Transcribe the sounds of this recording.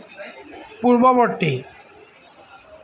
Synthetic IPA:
puɾbɔboʈːi

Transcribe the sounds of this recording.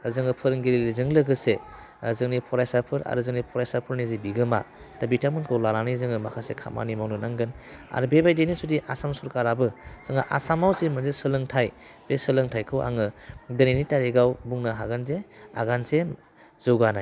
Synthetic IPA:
zɯŋɯpʰɯɾɯŋɡiɾilizɯŋlɯɡɯse | zɯŋnipʰɔɾajsapʰɯɾa̰ɾɯzɯŋnipʰɔɾajsapʰɯɾnizibiɡɯma̰ | tabitʰamɯnkʰɯwlalanizɯŋɯmakʰasekʰa̰ma̰nimawnɯnaŋɡɯna̰ɾbebajdenisudiʔasamsɔɾkaɾabɯsɯŋaʔa̰samawsimɯnzesɯlɯŋtʰaj | b̥esɯlɯŋtʰajkʰɯwʔa̰ŋɯdɐninitaɾeɡawbuŋnaɦaɡanzea̰ɡanze | z̥ɯwɡanaj

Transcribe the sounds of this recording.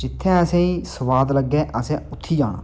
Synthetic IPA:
d͡ʒɪt̪ʰːɛ̃ːəsɛ̃ːĩːsəʋaːd̪ləɡːɛːʔəsɛ̃ːʊt̪ʰːiːd͡ʒaːɽa̰ː

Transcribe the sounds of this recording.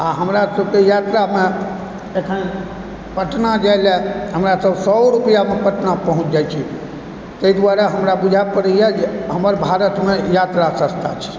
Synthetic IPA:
aɦəmɾasəbkejat̪ɾame | ekʰən | pəʈnad͡ʒajleɦəmɾasəbsɔɾupjamepəʈnapəɦũt͡ʃʰd͡ʒajt͡ʃʰi | t̪əid̪waɾɛɦəmɾabud͡ʒʱapəɾəjɛd͡ʒeɦəməɾbʱaɾət̪mejat̪ɾasə̃st̪ʰa̰t͡ʃʰi̥

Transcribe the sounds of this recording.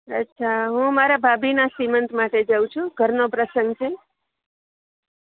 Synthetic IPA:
ətːʃʰaɦũəmaɾabʱabinasimənt̪ʰmaʈed͡ʒəwũt͡ʃʰũɡʱəɾnopɾəsəŋɡt͡ʃʰe

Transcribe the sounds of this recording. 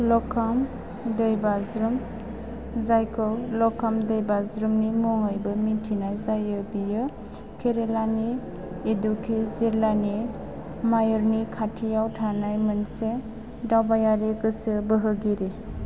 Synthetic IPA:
lɔkʰam | dəjbazɾum | zajkʰɔlɔkʰamdəjbazɾumnimɔŋajbɯmitʰinajzajɯbijɯ | kʰeɾelaniː | dukʰezeɾlani | majɔɾnikʰatʰijawtʰanajmɯnse | dawbajaɾeɡɯsɯbəɦɯɡiɾe

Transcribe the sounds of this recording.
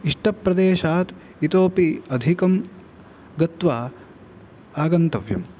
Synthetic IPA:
iʂʈʰɐpːɾɐd̪eːʃaːt̪ | it̪oːpiɐd̪ʱikɐm | ɡɐt̪ʋaː | aːɡɐnt̪ɐʋjɐ̰m

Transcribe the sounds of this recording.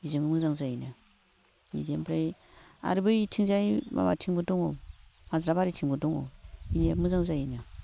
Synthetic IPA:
jizamimuzaŋzajina | jḭdempɾaia̰ɾibajitʰizajima̰a̰tʰiŋbudoŋomazɾabaɾitiŋbudoŋo̰jinemuzaŋzajina

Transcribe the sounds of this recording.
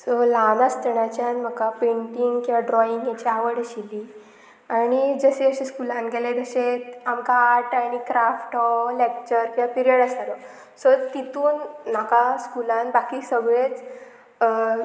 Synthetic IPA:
sɔlanast̪əɳat͡ɕjanm̤əkapeɳʈiŋɡkĩʋaɖɾɔiŋɡjat͡ɕiaʋəɽəɕiliː | aɽ̃id͡zəseəɕeskulanɡʱeled̪əɕet̪amkaːɾʈaɽ̃ikɾafʈʰɔlek̚t͡ɕəɾkĩʋapiɾiəɽasaɾɔ | sɔt̪it̪uːnːakaskulanbakiːsəɡɭet͡s

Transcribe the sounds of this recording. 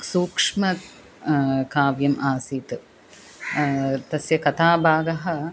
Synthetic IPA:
suːkʂmɐ | kaːʋjɐmʔaːsiːt̪ | t̪ɐsjɐkɐt̪aːbʱaːɡɐɦɐ

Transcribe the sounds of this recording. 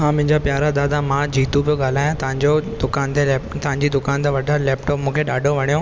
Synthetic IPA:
ɦãmɐ̃ɦɪ̃ɲd͡ʑapjaːɾad̪aːd̪amãd͡ʑiːt̪upijoɠaːl̤aːjãt̪ɐʋɪ̃ɲd͡ʑod̪ʊkaːnt̪elːt̪ɐʋɪ̃ɲd͡ʑid̪ʊkaːnt̪eʋɐɖʱalɛːpʈɔːpmũːkʰeɗaːɖʱoʋɐɽ̃ijõ

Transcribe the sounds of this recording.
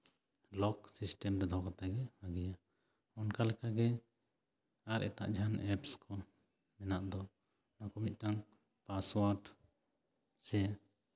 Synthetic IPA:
lɔksisʈɛmɾɛd̪ʱɔkat̪aɡɛaɡɛja | ɔnkalɛkaɡɛ | aɾɛ̰ʈa̰ʔd͡ʒʱanɛpskʰɔ | mɛnaʔd̪ɔ | nakɔmit̪̚ˀʈaŋ | paswaɾʈ | sɛ

